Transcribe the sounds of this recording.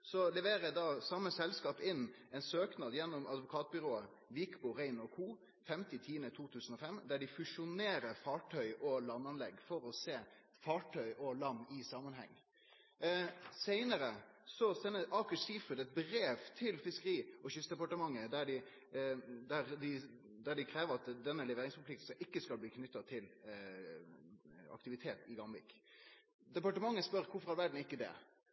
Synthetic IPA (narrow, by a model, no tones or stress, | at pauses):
sɔlɛʋeːɾəd̪ɑsɑmːəsɛlskɑːpɪnːɛɪnsøːknɑd̪jɛnːʊmɑd̪ʋʊkʰɑːt̪̚bʏɾoːə | ʋikbʊɾæɪnɔkʰuː | fɛmt̪ɪt̪ʰiːənət̪ʰuːt̪ʰʉːsən̩ɔfɛmd̪æɖɪfʉʂʊneːɾəɾfɑːʈʰœʏʔɔlɑnːɑnlɛɡːfɔɾɔseː | fɑːʈʰœʏʔɔlɑmːɪsɑːmːənɦɛ̰ŋː | seɪnəɾəsɔsɛnːəʔɑːkəʂiːfɾʉd̪ɛt̪̚bɾeːʋt̪ʰɪlfɪskəʁiːɔɕʏst̪d̪ɛpɑʈəmɑŋːəd̪æɖɪ | d̪æʁd̪ɪ | d̪æɖɪkʰɾeːʋəɾɑt̪d̪ɛnːəlɛʋeːɾɪŋspʰʊlt̪ɪkt̪̩sɑʔɪkːəskɑlbliːkʰnʏt̪ːɑt̪ʰɪl | ɑ̰kt̪ɪʋɪt̪ʰeːt̪ɪɡɑmbɪ̰k | d̪ɛpɑʈəmɑŋːəspœʁkʰʊfɔʁæɾʋæɖɳ̩ɪkːəd̪ɛ̰